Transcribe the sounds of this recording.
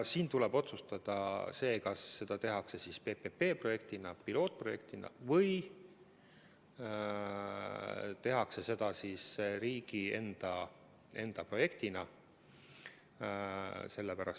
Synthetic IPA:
siːnt̪ulɛbo̞t̪sust̪ɑd̪̥ɑse̞ːkɑsːe̞d̪̥ɑt̪e̞ɦɑkse̞sispe̞pepe̞ːpro̞je̞k̚t̪inɑpilo̞ːt̪̚pro̞je̞k̚t̪inɑ̰vɤj | t̪e̞ɦɑkse̞se̞d̪̥ɑsisɾiːɡ̥ie̞nd̪̥ɑ | e̞nd̪̥ɑpro̞je̞kt̪inɑ | se̞lːepæɾɑ̰s

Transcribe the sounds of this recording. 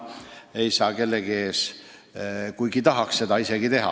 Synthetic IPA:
e̞jsɑːke̞lːeɡieːs | kujɡit̪ɑɦɑksse̞d̪̥ɑise̞ɡ̥it̪e̞ɦɑ̰

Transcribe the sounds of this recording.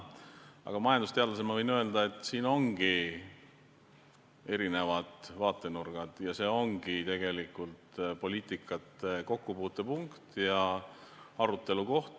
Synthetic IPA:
ʔɑ̰ɡ̥ɑmɑjɑnd̪ust̪e̞ɑd̪lɑs̬emɑvɤjnø̞ld̪ɑe̞t̪ːˑsiːno̞ŋɡ̥i | e̞ɾine̞vɑd̪̥vɑːt̪ːˑe̞nurɡ̥ɑd̪̥jɑse̞ːo̞ŋɡ̥it̪e̞ɡ̥e̞likːult̪po̞lʲiːt̪ːˑikːˑɑt̪ːˑeko̞kːupuːt̪ːˑe̞puŋkt̪jɑ | ɑɾut̪ːˑe̞luko̞ht̪

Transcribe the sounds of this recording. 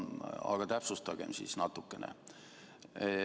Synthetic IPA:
ɑ̰ɡ̥ɑt̪æpsust̪ɑɡ̥emsḭsnɑt̪ːˑukːenḛ

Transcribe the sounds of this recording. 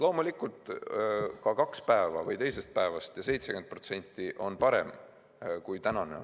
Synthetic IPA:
lo̞ːmulikult̪ˑ | kɑkɑkspæevɑ̰vɤjt̪e̞jse̞st̪̚pæevɑst̪jɑse̞jt̪seke̞nd̪̚pro̞t̪se̞nʲt̪ːˑiʔo̞npɑɾḛm | kujt̪ænɑne̞̰o̰

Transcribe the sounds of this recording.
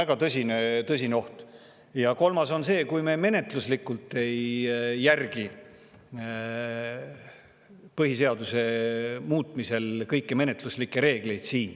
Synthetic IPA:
æɡ̥ɑt̪ɤsʲinet̪ɤsʲineo̞ht̪ | jɑko̞lmɑso̞nse̞ːkujme̞me̞ne̞t̪luslikːˑult̪ːˑe̞jːærɡ̥i | pɤɦis̬e̞ɑd̪use̞muːt̪ˑmise̞lkɤjkːeme̞ne̞t̪luslikːˑeɾe̞ːɡ̥le̞jd̪̥siːn

